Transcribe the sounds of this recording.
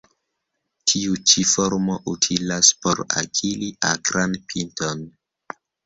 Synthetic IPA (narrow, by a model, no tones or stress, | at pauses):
tʰiut͡ʃifo̞ɾmo̞ʔutʰilaspo̞ɾa̰kʰiliʔakɾanpʰinto̞n